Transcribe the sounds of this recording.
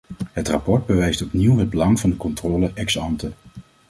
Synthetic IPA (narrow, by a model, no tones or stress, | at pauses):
ɦətrɑpɔɹd̚bəʋɛjstɔpniwɦəd̚bəlɑŋvɑndəkɔntrɔːləʔɛksɑntə